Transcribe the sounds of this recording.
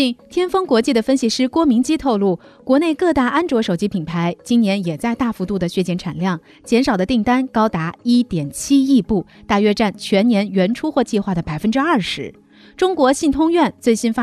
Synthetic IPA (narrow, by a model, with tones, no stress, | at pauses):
t͡ɕi˥˩nt̪ʰjɛ˥nfɤ˥ŋkwɔ˧˥t͡ɕi˥˩d̪ə˩fə˥nɕi˨˩ʂɻ̩˥˩kwɔ˥mi˧˥ŋt͡ɕi˥t̪ʰo˥˧ʊlu˥˩ | kwɔ˧˥ne˥˧ɪkɤ˥˧t̪a˥˩ʔa˥nʈ͡ʂwɔ˧˥ʂo˨˩ʊt͡ɕi˥pʰi˨˩npʰa˧˥ɪt͡ɕi˥njɛ˧˥njɛ˨˩t͡sa˥˧ɪt̪a˥˩fu˧˥t̪u˥˩d̪ə˩ɕɥɛ˥˩t͡ɕjɛ˧˥nʈ͡ʂʰa˨˩nljɑ˥˩ŋ | t͡ɕjɛ˧˥nʂɑ˨˩d̪ə˦t̪i˥˩ŋt̪a˥nkɑ˥ʊt̪a˧˥i˥t̪jɛ˨˩nt͡ɕʰi˥i˥˧pu˥˩ | t̪a˥˩ɥɛ˥ʈ͡ʂa˥˩nt͡ɕʰɥɛ˧˥njɛ˧˥nɥɛ˧˥nʈ͡ʂʰu˥xwɔ˥˧t͡ɕi˥˧xwa˥˩d̪ə˩pa˨˩ɪfə˥nʈ͡ʂɻ̩˥ɐ˥˩ʂɻ̩˧˥ | ʈ͡ʂʊ˥ŋkwɔ˧˥ɕi˥˩nt̪ʰʊ˥ŋɥɛ˥˧nt͡swe˥˩ɪɕi˥nfa˥